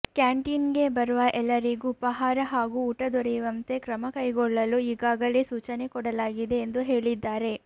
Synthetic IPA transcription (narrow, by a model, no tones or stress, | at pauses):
kjaːɳʈiːnɡe̞bɐɾuʋɐʔɛlːɐɾiɡuːpɐɦaːɾɐɦaːɡuːʈɐd̪ɔɾɛjuʋɐnt̪e̞kɾɐmɐkɐjɡɔɭːɐluiːɡaːɡɐlesuːt͡ʃɐne̞kɔɽɐlaːɡid̪e̞ːnd̪uɦe̞ːɭid̪ːaːɾe̞